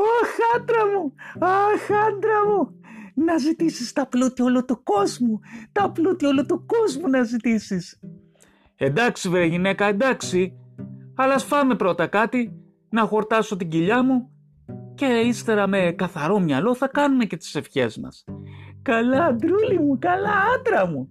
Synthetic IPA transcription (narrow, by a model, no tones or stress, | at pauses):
oxɐnd̪ɾɐmuɐxɐnd̪ɾɐmunɐzit̪isist̪ɐplut̪iolut̪uko̞zmut̪ɐplut̪iolut̪uko̞zmunɐzit̪isis | e̞nd̪ɐksivɾeʝine̞kɐe̞nd̪ɐksi | ɐlɐsfɐme̞pɾo̞t̪ɐkɐt̪i | nɐxo̞ɾt̪ɐso̞t̪iɟiʎɐmu | ce̞ist̪e̞ɾɐme̞kɐθɐɾo̞mɲɐlo̞θɐkɐnume̞cet̪i̥se̞fçe̞̰zmɐ̰skɐlɐːnd̪ɾulimukɐlɐɐnd̪ɾɐmu